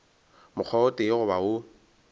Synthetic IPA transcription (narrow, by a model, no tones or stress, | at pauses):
mʊk͡xʰɔʊtʼeɣʊbaʊ